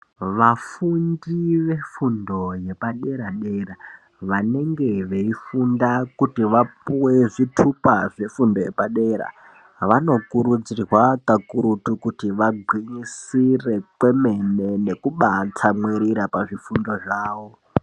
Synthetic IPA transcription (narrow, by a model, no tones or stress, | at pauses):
ʋafundiʋe̞fundo̞je̞paɗe̞ɾaɗeɾa | ʋane̞ŋɡe̞ʋe̞ifundakutiʋapuweʐitʰupaʐe̞fundo̞je̞̰paɗe̞ɾa̰ | ʋano̞kuɾud͡zirwakakuɾutukutiʋaɡʱwiɲisire̞kwe̞me̞ne̞ne̞kuɓatʰamweɾiɾapaʐifundo̞ʐaːʋo̞